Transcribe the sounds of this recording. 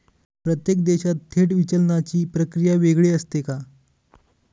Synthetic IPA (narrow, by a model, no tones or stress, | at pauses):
pɾət̪jek̚d̪eɕat̪ːʰeʈʋit͡ɕəlɳat͡ɕiːpɾəkɾijaʋeɡɭeəst̪eka